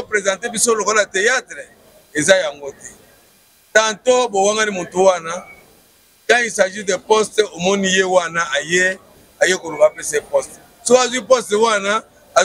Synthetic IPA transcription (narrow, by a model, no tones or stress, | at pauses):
opʁezãtebisolokolaatejatʁe | ezajaŋɡotɛ | tatobowaŋɡanimotuwana | kaisaʒidepɔstɛomɔnijewanaaje | ajekolobapesɛpɔst | sokazwipɔstɛwana | a